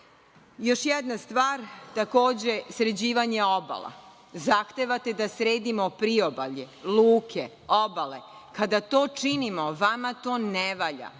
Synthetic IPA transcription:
jo̞ʃjɛd̪nast̪ʋaːɾt̪ako̞ːd͡ʑesɾed͡ʑiːʋaɲeo̞ba̰lˠa̰ | zaxt̪eʋat̪e̞d̪asɾeːd̪imopɾio̞baʎeluːkʰe | obale | kad̪at̪o̞ːt͡ʃinimo̞ʋamat̪o̞ːneʋaʎa̰

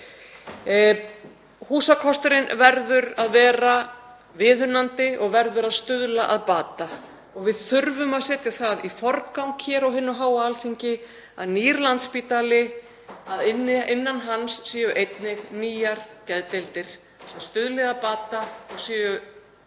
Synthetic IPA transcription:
huːsakʰɔst̪ʏɾɪnvɛɾðʏɾaðvɛːɾa | vɪːðʏnant̪ɪɔɣvɛɾðʏɾaðst̪ʏðlaʔaðpaːt̪a | ɔɣvɪðθʏɾvʏmaðsɛːt̪ɪ̥θaðifɔɾkawŋkʰçɛːɾɔwɦɪnːʏɦaːwaalθiɲcɪ | aðniːɾlant̪spiːt̪alɪ | aðɪnɪnːanɦansːiːjʏʔejt̪nɪɣniːjaɾ̥cɛðt̪elt̪ɪɾ̥ | sɛmst̪ʏðlɪɣapaːt̪aɔɣsiːjʏ

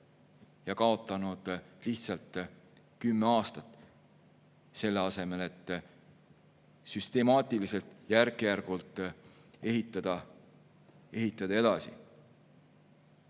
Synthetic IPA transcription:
jɑkɑo̞t̪ːˑɑnud̪̥liht̪sɑlt̪ː | kymːeɑːst̪ɑt̪ˑ | se̞lːeɑse̞me̞le̞t̪ː | syst̪e̞mɑːt̪ʲˑilise̞lt̪ˑjærkejærɡ̥ult̪ˑe̞ɦit̪ːˑɑd̪̥ɑ | e̞ɦit̪ːˑɑd̪̥ɑe̞d̪̥ɑsḭ

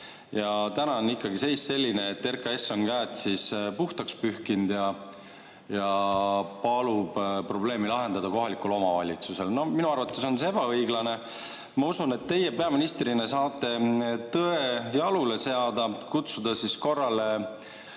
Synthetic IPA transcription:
jɑt̪ænɑonːikːˑɑɡise̞jsse̞lʲːineːt̪ːe̞rkɑe̞sːo̞ŋɡ̥æːt̪sispuht̪ɑkspyhkind̪̥jɑ | jɑpɑlub̥pro̞ble̞ːmilɑɦe̞nd̪ɑd̪ɑko̞ɦɑlikːulo̞mɑvɑ̰lʲit̪suse̞lno̞minuɑrvɑt̪ːˑeso̞nseeb̥ɑɤjɡlɑne̞ | mɑusunet̪ːe̞je̞pe̞ɑminist̪rine̞sɑːt̪ːˑe̞t̪ɤejɑlule̞se̞ɑd̪ɑkut̪sud̪̥ɑsisko̞rːɑle

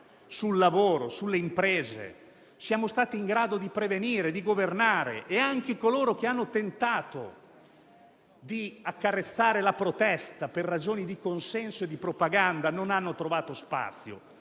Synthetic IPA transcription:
sulːavoːɾosulːeimpɾeːzḛ | sjaːmost̪aːt̪iːŋɡɾaːd̪od̪ipɾeveniːɾed̪iɡovernaːɾḛʔːaŋk̟ekoloːɾok̟eanːot̪ent̪aːt̪o̰ | d̪iakːaret̪sːaːɾelapɾot̪ɛst̪aperːad͡ʒoːnid̪ikonsɛnsoed̪ːipɾopaɡand̪anonanːot̪ɾovaːt̪ospa̰t̪sːjo̰

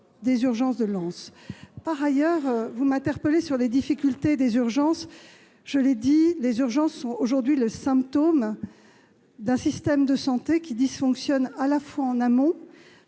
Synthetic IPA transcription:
d̪ezyʁʒɑ̃sd̪əlɑ̃spaʁajœʁvumɛ̃t̪ɛʁpəlesyʁled̪ifikʲylt̪ed̪ezyʁʒɑ̃s | ʒ̥əled̪ilezyʁʒɑ̃sːɔ̃oʒuʁd̪ɥiləsɛ̃pt̪om | d̪ɛ̃sist̪ɛmd̪əsɑ̃t̪ekʲid̪isfɔ̃ksjɔnalafwaɑ̃namɔ̃

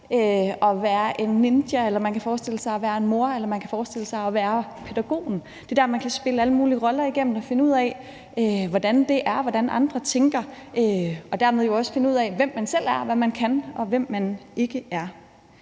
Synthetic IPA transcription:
øɒ̽ʋæːɐʔe̝nːend̥jæelɐmænkʰæfɒːsd̥e̝l̰əsɑ̈ɪɒʋæːɐe̝nmo̝ɐ̰elɐmænkʰæfɒːsd̥e̝l̰əsɑ̈ɪɒ̽ʋæːɐpʰe̝d̥æɡ̥o̝̰ːn̩ | d̥e̝d̥æɐmænkʰæsb̥e̝ləæləmuːliəʁɒ̽lɐiɡ̥em̰n̩ɒfe̝nəuð̞̰ˠɛ | øʋɒd̥ænd̥e̝ʔæɐʋɒd̥ænʔɑ̈nd̥ʁɐt͡sʰeŋɡ̥ɐʔøɒ̽d̥æɐmeðˠjo̝ɒ̽sə̥fe̝nəuð̰ˠɛʋem̰ːænsel̰æɐʋæmænkʰænɒ̽ʋem̰ːæne̝ɡ̥əʔæɐ

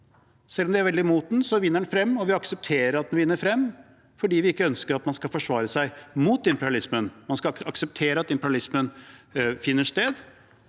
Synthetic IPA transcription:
sɛlːɔmd̪ɛæɾʋɛld̪ɪmuːt̪n̩sɔʋɪnːəɖɳnfɾɛmːɔʋɪɑksəp̚t̪ʰeːɾəɾɑt̪̚d̪ɛnʋɪnːəɾfɾɛmː | fɔɖiːʋɪɪkːəœnskəɾɑt̪mɑnskɑlfɔʂʋɑːɾəsæɪmuːt̪ɪmpəɾɑlɪsmənmɑnskɑɑksəp̚t̪ʰeːɾəɑt̪ɪmpəɾɑlɪsmən | fɪnːəʂt̪eːd̪

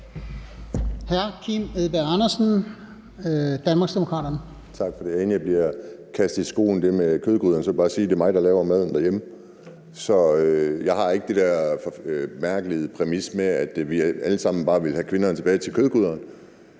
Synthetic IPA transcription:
hæɐkʰimeðˠb̥eɑnɐsn̩ | d̥ænmɑ̈ɡ̥sd̥e̝mokʰʁɑ̰ːɾ̥ɐnə | t͡sʰɑ̈ɡ̥fɒ̽d̥e̝je̝nəjɑb̥liɐkʰæsd̥ˠisɡ̥o̝̰ːn̩d̥e̝mekʰøð̞ˠɡ̥uðˠɐnsɒʋelb̥ɑ̈ːsiːd̥e̝ɐmɑ̈ɪd̥ɑ̈lɛːʊɐmæð̞ˠn̩d̥æɐjemə | sɒ̽øjɑ̈ɪhɑ̈e̝ɡ̥əd̥e̝d̥æɐ̰fɒmæɐ̰ɡ̥əlið̩ˠpʰʁɛmismeæd̥ʋiæləsɑ̈m̰n̩b̥ɑ̈ːʋe̝lɦækʰʋe̝nɐnt͡sʰe̝bɛːɪt͡sʰe̝lkʰøðˠɡ̥uðˠɐn

